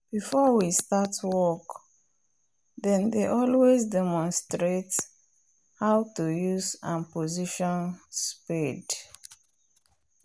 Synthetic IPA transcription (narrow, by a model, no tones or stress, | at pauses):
b̥ifɔwistatwɔk | dɛ̃ndeʔɔlwezdɛmɔ̃nstɹet | haʊtujuzã̰npoziʃɔ̃nspid